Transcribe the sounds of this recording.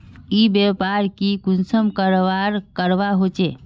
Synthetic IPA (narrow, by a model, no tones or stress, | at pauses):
ibepaɾkikunsəmkəɾʋaɾkəɾʋaɦot͡ʃe